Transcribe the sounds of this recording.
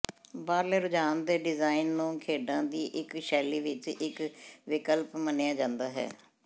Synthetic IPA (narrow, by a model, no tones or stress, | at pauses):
baːɾleːɾʊd͡ʒaːnd̪eːɖɪzaːinːũːkʰeːɖãːd̪iːʔɪkʃɛːliːʋɪt͡ʃɪkʋɪkəlpmənejaːd͡ʒãːnd̪aːɦɛ̰ː